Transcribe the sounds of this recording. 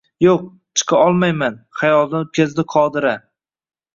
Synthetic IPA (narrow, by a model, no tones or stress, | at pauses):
joq̚ | t͡ʃʰɨ̥qʰɑɒlˠmajmanχajɒlˠd̪anʊt̪̚kʲʰazd̪ɪqʰɒd̪ɪɾa